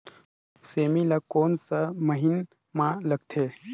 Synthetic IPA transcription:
seːmilakoːnsɐməɦɪn | mãləɡ̚t̪ʰeː

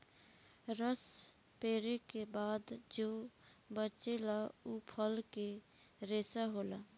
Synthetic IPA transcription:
ɾəs | peːɾekebaːd̪d͡ʒoː | bət͡ʃelaupʰəlke | ɾeːsaɦoːla

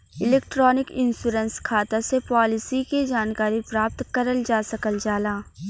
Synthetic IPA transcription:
ɪleːkʈɾɔːnɪkɪ̃nsuːɾənskʰaːt̪asepɔːlɪsiked͡ʒaːnkaːɾipɾaːp̚t̪kɐɾəld͡ʒaːsɐkəld͡ʒaːlaː

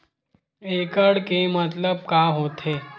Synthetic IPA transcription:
ekəɽkemət̪ləb̚kaɦot̪ʰe

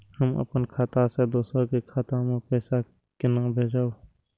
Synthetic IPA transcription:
həmə̰pənkʰaːt̪ased̪oːsəkekʰaːt̪amẽpɛːsa | kɪnabʱeːd͡ʒaːo

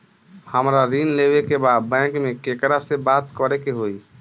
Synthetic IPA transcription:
həmɾaɾinlebekebad̪̚bɛ̃kmekekɾasebat̪kəɾɛkeɦoi

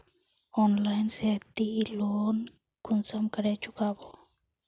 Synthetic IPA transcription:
onlajnset̪iːlon | kunsamkaɾet͡ʃukabo

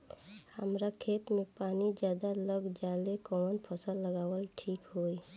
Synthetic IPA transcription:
həmɾakʰeːt̪mẽpaːnid͡ʒjaːd̪aləɡd͡ʒaːlekɔnpʰəsəlːəɡaːwəlʈʰiːkɦoːi

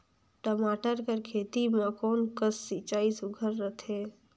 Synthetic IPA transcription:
ʈəmaːʈəɾkəɾkʰeːt̪imãkoːnkəsːit͡ʃaːisʊɡʱəɾːət̪ʰeː

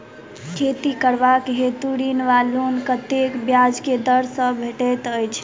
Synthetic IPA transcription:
kʰet̪ikəɾʋakɦet̪uɽinʋalunkət̪ekbjad͡ʒked̪əɾsə̃bʱeʈɛt̪əjt͡ʃʰ

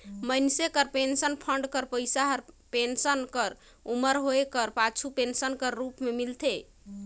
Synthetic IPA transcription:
mənsekəɾpensənpʰəɳɖkəɾpəjsaɦəɾpensənkəɾ | uməɾɦoekəɾpat͡ʃʰupensənkəɾːupmemilt̪ʰe

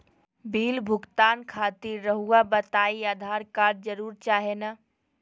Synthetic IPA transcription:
biːlbʱʊɡt̪aːnkʰaːt̪iɾːəɦuabət̪aːiaːd̪ʱaːɾkaːɾd͡ʒəɾuːɾt͡ʃaːɦena

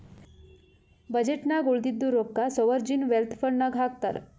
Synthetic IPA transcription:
bəd͡ʑeʈnaɡoɭd̪id̪ːuɾokːasoʋəɾd͡ʑinʋelt̪ʰfəɾnaɡʱaɡt̪a̰ɾ

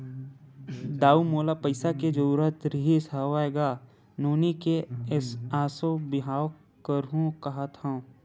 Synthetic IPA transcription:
d̪aːumoːlapəɪsaked͡ʒəuːɾət̪ɾɪɦisaʋaeɡaː | nuːnikeɪsaːsõbɪɦaːw | kəɾɦũkɐɦat̪ã

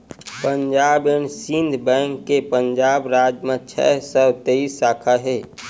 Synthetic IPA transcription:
pənd͡ʒaːbensind̪ʱbɛ̃ŋkːepənd͡ʒaːbɾad͡ʒmə̃t͡ʃʰɛ̰səbt̪eisːaːkʰaɦɛ

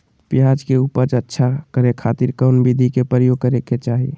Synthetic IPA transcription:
pjad͡ʒkeuːpəɾd͡ʒətːʃʰakəɾekʰaːt̪iɾkaʊnbid̪ʱikepɾəɾjoːɡ̚kəɾeket͡ʃaːɦie

